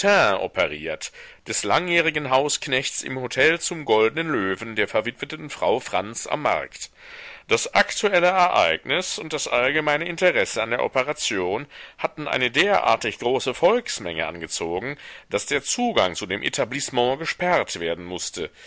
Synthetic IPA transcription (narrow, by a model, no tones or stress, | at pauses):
tʰɛ̃ːʔɔ̰pəʁiːɐt | d̥ɛslaŋjɛːʁ̞ɪɡn̩ɦaʊsknɛçt͡sɪ̰mhotʰɛlt͡sʊmɡɔldənənløːvn̩deːɐfɛɐvɪtv̥ətətn̩fʁ̥aʊfʁ̥a̰nt͡sa̰mːa̰ɐkt | d̥asʔaktʰuɛləɛɐʔa̰ɪknɪsʊnt̚d̥asʔalɡəmaɪnəɪntəʁɛsəandeːɐʔɔpəʁat͡sjoːnhatn̩ʔa̰ɪnədeːɐʔa̰ːɐtɪçɡ̥ʁoːsəfɔlksmɛ̰ŋə̰ʔa̰nɡət͡soːɡŋ̩d̥asd̥eːɐt͡suːɡa̰ŋt͡sudeːmʔḛtʰablɪsmɑ̃ɡəʃpɛʁɐtv̥eːɐdn̩mʊstʰə